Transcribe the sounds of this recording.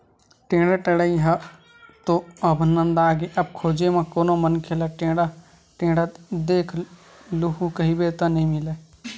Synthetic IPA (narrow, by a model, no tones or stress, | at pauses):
ʈẽːɽaʈəɽəiɦɐ | t̪oɐbʱnə̃nd̪aːɡeʔɐb̚kʰoːd͡ʒemãkoːnomənkʰelaʈẽːɽa | ʈẽːɽət̪d̪eːkʰ | luɦukɐɦibeːt̪anɐɦĩmɪle